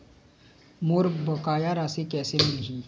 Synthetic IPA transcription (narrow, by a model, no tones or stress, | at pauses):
muɾbɔkajaɾasekesɪmbihi